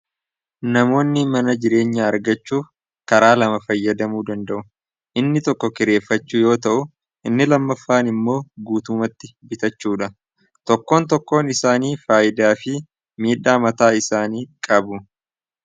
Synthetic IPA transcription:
nɐmo̞ːnːɪmɐnɐd͡ʒɪɾe̞ːɲːɐɐɾɡɐt͡ʃːuː | kɐɾaːlɐmɐfɐjːɐd̪ɐmuːd̪ɐnd̪ɐʔʊ | ʔɪnːɪt̪ɔkːɔkɪɾe̞ːfːɐt͡ʃːuːjo̞ːt̪ɐʔʊ | ʔɪnːɪlɐmːɐfːaːnɪmːo̞ːɡuːt̪ʊmɐt̪ːɪbɪt̪ɐt͡ʃːuːᶑɐ | t̪ɔkːo̞ːnt̪ɔkːo̞ːnɪsaːniːfaːʔɪd̪aːfɪ | miːᶑːaːmɐt̪aːɪsaːniːkʼɐbʊ

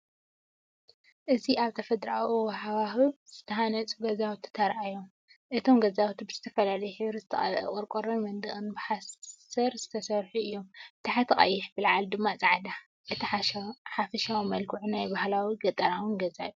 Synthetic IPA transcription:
ʔɨziaβt̪ʰɐfɐd̪ɾawwħawaxuz̥ɨt̪ʰɐɦanɐt͡sʼɡɐzawt̪ʰi̥t̪ʰɐɾʔajom | ʔɨt̪ʰo̞mɡɐzawt̪ʰibɨzɨt̪ʰɐfɐlalɐjħɨβɾɨzɨt̪ʰɐχʼɐ̰lʼɐ̰kʼoɾkʼoɾɐnmɐnd̪ɨχʼɨnbɨħassɐɾzɨt̪ʰɐsɐɾħuɨjːomt̪ʰaħat̪ʰɐχʼɐ̰jːɪħbɨlʕald̪ɨmːat͡sʼaʕd̪a | ʔɨt̪ʰiħħafɐʃawimɐlkʰuʕunajbahlawiɡɐt̪ʼɐɾawɨnɡɐza̰ju

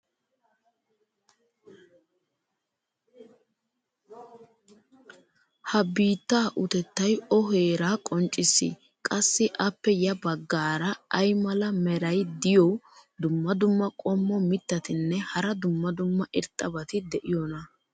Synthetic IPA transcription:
hɐbiːt̪ːaːʔʊt̪ɛt̪ːɐjɔɦeːɾaːkʼɔnt͡ʃʼːɪsːɪ̰ | kʼɐsːɪʔɐpːɛjɐbɐɡːaːɾɐːjmɐlɐmɛɾɐjd̪ɪjɔwd̪ʊmːɐd̪ʊmːɐkʼɔmːɔmɪt̪ːɐt̪ɪnːɛhɐɾɐd̪ʊmːɐd̪ʊmːɐʔɪɾt̪ʼːɐbɐt̪ɪd̪ɛʔɪjɔnɐ

